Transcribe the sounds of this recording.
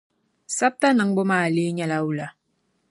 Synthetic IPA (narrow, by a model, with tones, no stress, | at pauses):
sa˦p̚ta˦nɨ˨ŋbo˦maː˦˨li˦ɲa˨la˦u˦˨la˨